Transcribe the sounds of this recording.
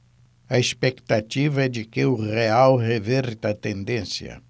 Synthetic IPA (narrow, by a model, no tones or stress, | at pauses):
ɐespekt̪at͡ʃivɐɛd͡ʒɪkɪʊʁeawʁevɛɾt̪ɐt̪ẽnd̪ẽsjɐ̰